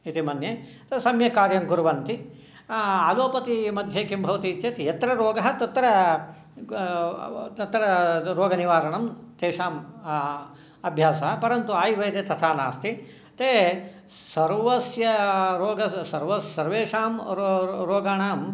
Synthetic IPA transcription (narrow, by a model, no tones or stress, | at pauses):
it̪imɐnje | t̪esɐmjɐkaːɾjɐŋɡuɾɐʋɐnt̪i | aːloːpɐt̪imɐd̪ʱjeːkimbʱɐʋɐt̪iːt͡ʃ̪jɐt̪ijɐt̪ɾɐɾoːɡɐɦɐt̪ɐt̪ːɐɾɐ | t̪ɐt̪ːɐɾɐɾoːɡɐniʋaːɾɐɳɐmt̪eːʃaːm | ɐbʱjaːsɐɐpɐɾɐnt̪uaːjiʋɐjt̪eːt̪ɐt̪ʰaːnaːst̪i | t̪eː | sɐɾʋɐsjɐɾoːɡɐsɐɾʋɐsːɐɾʋeːʂaːmɾoːɡaːɳaːm